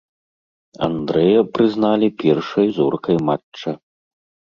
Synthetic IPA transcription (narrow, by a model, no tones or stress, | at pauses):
a̰nd̪ɾɛjɐpɾɨznalʲipʲɛrʂɐjzɔrkɐjmat͡ʂt͡ʂːɐ